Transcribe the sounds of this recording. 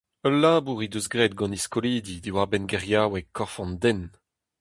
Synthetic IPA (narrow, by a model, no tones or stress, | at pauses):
əlaːbuʁid̪øzɡʁeːt̪̚ɡɑ̃niskɔliːd̪id̪iwaʁbɛnɡɛʁjaːwɛkɔʁfɑ̃nd̪ɛn